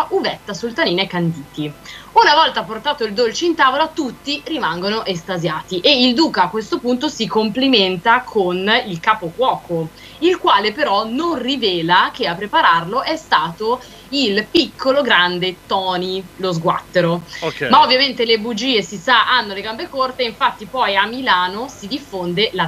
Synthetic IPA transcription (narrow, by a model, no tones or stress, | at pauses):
ʔuvɛt̪ːasult̪aniːnekand̪iːt̪iunavɔlt̪aport̪aːt̪oild̪olt͡ʃeint̪aːvolat̪ut̪ːirimaŋɡonoʔest̪azjaːt̪iʔeild̪uːkaːkːwest̪opunt̪̬osikompliment̪akʰonilkaːpokwɔːko | ilkwaːlepeɾɔnonrivɛːlak̟eapːɾepaɾarloʔɛst̪aːt̪o | ilpikʰːoloɡɾand̪et̪ɔːnilozɡwa̰t̪ːeɾomaovːjament̪elebud͡ʒiːesisaʔanːoleɡambekort̪eːiɱfat̪ːipɔjamːilaːnosid̪ifːond̪ela